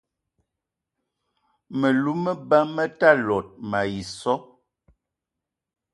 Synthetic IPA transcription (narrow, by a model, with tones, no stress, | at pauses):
mə˨lu˦mə˦ba˦mə˦ta˦lɔ˨t̚ma˨ji˨sɔ˦